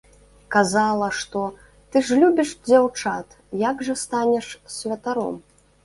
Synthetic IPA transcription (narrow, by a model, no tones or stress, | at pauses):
kazalˠɐʂt̪ɔ | t̪ɨʐlʲubʲiʂd͡zʲawt͡ʂat̪ | jaɡʐɐst̪anʲɛʂsʲvʲɐt̪aɾɔ̰m